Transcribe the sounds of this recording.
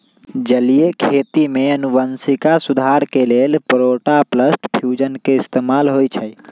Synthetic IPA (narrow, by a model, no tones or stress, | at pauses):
d͡ʒəlijekʰet̪imeənubənsikasud̪ʱaɾkelelpɾoʈapləsʈpʰjud͡ʒənkeɪst̪emalɦojt͡ʃʰəj